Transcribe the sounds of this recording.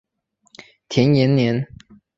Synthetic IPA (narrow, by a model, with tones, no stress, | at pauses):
t̪ʰjɛ˧˥njɛ˧˥nnjɛ˧˥n